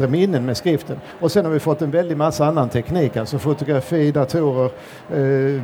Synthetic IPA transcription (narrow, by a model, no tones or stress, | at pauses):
ɾəmɪnːənmeːskɾɪft̪ən | ɔsɛnhaɾvɪfɔt̪ːɛnvɛld̪ɪɡmasːaanːant̪ʰɛkniːkasɔfʊt̪ʊɡɾafiːd̪at̪ʰuːɾəɾ